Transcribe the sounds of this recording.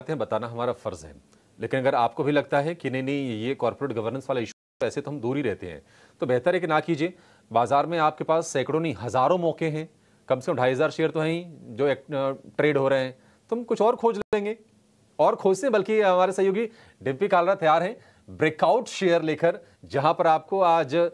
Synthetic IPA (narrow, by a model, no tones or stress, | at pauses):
t̪ẽɦɛ̃bɐt̪aːnaɦɐmaːɾafɐɾzɦɛ̰̃ | leːkɪnɐɡəɾaːp̚kobʱilɐɡ̚t̪aɦɛkinɐɦĩnɐɦĩjekɔːɾpoɾeːʈɡɐʋəɾnə̃nsʋaːlaɪʃu̥ɦɛt̪oɛːset̪oɦɐmd̪uːɾiɾɛɦt̪ḛɦɛ̰̃ | t̪obeɦt̪əɾeːknakiːd͡ʒieː | baːzaːɾmẽaːp̚kepaːsːɛːkɽõnɐĩɦɐzaːɾõmɔːkeɦɛ̃ː | kɐbse̥kɐmɖʰʱaːiɦɐzaːɾʃeːəɾt̪onɐĩd͡ʒoːeːk̚ʈɾeːɖɦoɾɐɦeɦɛ̃ː | t̪oɦɐmkʊt͡ʃʰɔːɾkʰoːd͡ʒẽːŋɡeː | ɔːɾkʰoːd͡ʒt̪eɦɛ̃bɐlkiɦɐmaːɾesɐɦjoːɡi | ɖɪ̃mpikaːlɾat̪ɐjaːɾɦɛ̃ | bɾeːkaːʊʈʃeːjəɾleːkəɾ | d͡ʒɐɦãpɐɾaːp̚koaːd͡ʒ